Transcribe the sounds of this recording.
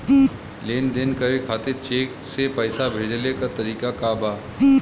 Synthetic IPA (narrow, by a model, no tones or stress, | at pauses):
leːnd̪ɪnkəɾekʰaːt̪ɪɾt͡ʃeːksepɛːsabʱeːd͡ʒlekat̪ɐɾiːkakaːbaː